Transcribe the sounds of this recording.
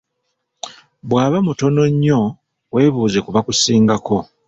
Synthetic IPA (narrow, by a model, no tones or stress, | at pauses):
βwaːβamuto̞no̞ɲːo̞ | we̞ːβuːze̞kuβakusiːŋɡakʰo̞